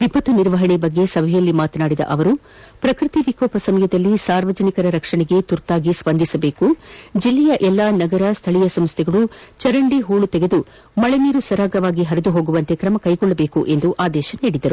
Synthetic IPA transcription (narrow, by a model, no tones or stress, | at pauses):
ʋipɐt̪uniɾʋɐɦɐɳibɐɡːe̞sɐbʱɛjɐlːimaːt̪ɐnaːɽid̪ɐ̰ʔɐʋɐɾu | pɾɐkɾit̪iʋikɔːpɐsɐmɐjɐd̪ɐlːisaːɾʋɐd͡ʒɐnikɐɾɐɾɐkʂɐɳɛɡe̞t̪uɾt̪aːɡispɐnd̪ʱisɐbeːkud͡ʒilːɛjɐʔɛlːaːnɐɡɐɾɐst̪ʰɐɭijɐsɐmst̪ʰɛɡɐɭut͡ʃɐɾɐɳɖiɦuːɭut̪eɡe̞d̪u | mɐɭeniːɾusɐɾaːɡɐʋaːɡiɦɐɾid̪uɦo̞ːɡuʋɐnt̪e̞kɾɐmɐkɐjɡɔɭːɐbeːkuʔe̞nd̪uʔaːd̪ɛːʃɐniːɽid̪ɐɾu